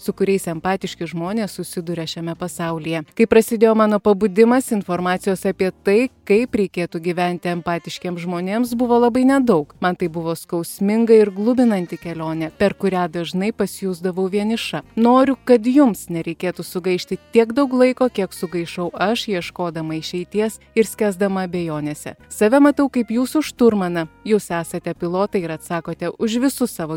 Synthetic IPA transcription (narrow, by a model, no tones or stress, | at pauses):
sʊkʊɾʲɛɪsɛmpɑːt̪ʲɪʃʲkʲɪʒmoːnʲeːssʊsʲɪd̪ʊɾʲɛʃʲɛmʲɛpɐsɑʊlʲijɛkɐɪpɾɐsʲɪd̪ʲeːjoːmɑːnoːpɐbʊd̪ʲɪmɐsɪnfoːɾmɑːt̪sʲɪjoːsɐpʲiɛt̪ɐɪkɐɪpɾʲɛɪkʲeːt̪uɡʲiʋʲɛnʲt̪ʲɪɛmpɑːt̪ʲɪʃʲkʲeːmsʒmoːnʲeːms̬bʊʋoːlˠɐbɐɪnʲɛd̪ɐʊkmɐnt̪ɐɪbʊʋoːskɐʊsʲmʲɪŋɡɐɪɾɡlˠʊbʲɪnɐnʲt̪ʲɪkʲɛlʲoːnʲɛpʲɛɾkʊɾʲæːd̪ɐʒnɐɪpɐsʲjuːzd̪ɐʋɐʊʋʲiɛnʲɪʃɐnoːɾʲʊkɐt̪jʊmsnʲɛɾʲɛɪkʲeːt̪usʊɡɐɪʃʲt̪ʲɪt̪ʲiɛkd̪ɐʊklˠɐɪkoːkʲiɛksʊɡɐɪʃɐʊɐʃjiɛʃkoːd̪ɐmɐɪʃʲɛɪt̪ʲiɛs | ɪɾsʲkʲæːzd̪ɐmɐɐbʲeːjoːnʲeːsʲɛ̰sɐʋʲɛmɐt̪ɐʊkɐɪpjuːsʊʃt̪ʊɾmɐnɐjuːsæːsɐt̪ʲɛpʲɪlˠoːt̪ɐɪɪɾɐt̪sɑːkoːt̪ʲɛʔʊʒʋʲɪsʊsɑːʋoː